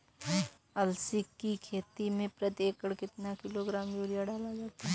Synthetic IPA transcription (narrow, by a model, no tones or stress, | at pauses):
ɐlsɪkːikʰeːt̪imẽpɾɐt̪eːkəɽkɪt̪nakɪloɡɾaːmjuːɾijaɖaːlad͡ʒaːt̪aɦ